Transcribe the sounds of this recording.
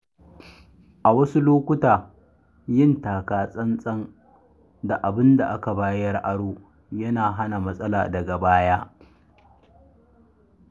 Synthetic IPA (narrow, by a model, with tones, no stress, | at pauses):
ʔa˨wɐ˦su˦loː˦kʷʊ˦taː˨ | jɪ˦ntaː˨kaː˨sʼɐ˦nsʼɐ˦n | da˨ʔa˨bɪ˦nda˨ʔa˦ka˨baː˦jɐ˦jɐ˨rʔa˦ɽoː˦ | jɐ˦naː˨ɦa˦na˨mɐ˦sʼɐ˦la̰ː˨dɐ˨ɡa˨baː˦jaː˦